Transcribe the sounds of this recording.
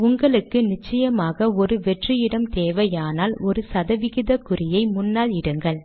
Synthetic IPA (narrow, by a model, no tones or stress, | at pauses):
ʊŋɡɐɭɯkːɯnɪt͡ʃːɐjɐmaːɣɐɔɾɯʋɛʈrɪjɪɽɐmt̪eːʋɐjaːnaːlɔɾɯsɐðɐʋɪɣɪðɐkʊrɪjɐɪmʊnːaːlɪɽɯŋɡɐɭ